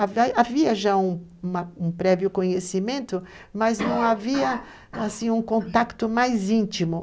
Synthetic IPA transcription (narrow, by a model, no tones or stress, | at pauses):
avaaviɐʒaũũmɐũpɾɛviʊkõɲesimẽnt̪ʊ | mɐznɐ̃w̃aviɐ | asĩũkõnt̪akt̪ʊmajzĩnt͡ʃimʊ